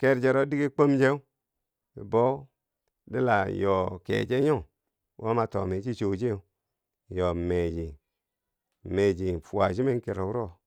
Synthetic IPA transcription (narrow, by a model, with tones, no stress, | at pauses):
ke˦ɾd͡ʒe˧˨ɾo˦di˦ɡi˦k͡po˦md͡ʒe˦ṵ˦˨ | bo˦ | de˦la˨jo˨kḛ˨d͡ʒe˦jo˦˨ŋ | wʔo̰˦ma˨to̰˨me˨˦t͡ʃi˦t͡ʃo˨d͡ʒe˦u˦˨ | jo˨me˨d͡ʒi˨ | me˨d͡ʒi˨fu˨a˨d͡ʒi˦me˦n˦ke˨ɾo˨wu˦ɾo˦˨